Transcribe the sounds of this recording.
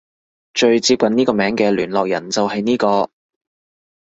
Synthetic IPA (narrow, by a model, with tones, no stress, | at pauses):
t͡ʃɵ˨˧ɥt͡siː˧p̚kɐ˨niː˥kɔː˧mɛː˨˥ŋkɛː˧lyː˨˩nlɔː˨k̚jɐ˨˩nt͡sɐ˨wɦɐ˨jniː˥kɔː˧